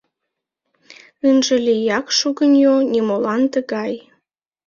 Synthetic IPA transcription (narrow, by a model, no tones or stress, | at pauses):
ənʒə̆lijɑkʃuɣənjonʲimolɑnt̪əɣɑj